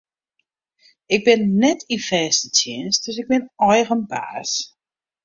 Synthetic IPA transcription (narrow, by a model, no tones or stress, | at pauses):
ɪk̚bɪnːɛtʰifɛːstətʰɪənsdøsɪɡ̚bɪnɔjɣənba̰ːs